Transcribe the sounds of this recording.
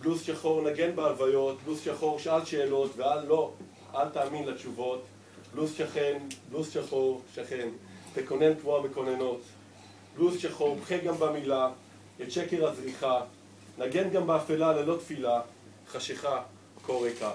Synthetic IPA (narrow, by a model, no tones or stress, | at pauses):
b̥lusʃaχo̞ʁnaɡe̞nbealvajo̞t̪̚blusʃaχo̞ʁʃalʃeːlo̞t̪vealːo̞ | altaːminlet͡ʃuvo̞t | blusʃaχenblusʃaχoʁʃaχe̞nt̪eko̞nentvuabeko̞neno̞t | b̥lusʃaχo̞ʁbχeɡambamila | et͡ʃeke̞ʁazʁiχa | naɡe̞nɡambeafelalelo̞t̪fila | χaʃeχa | kolʁeka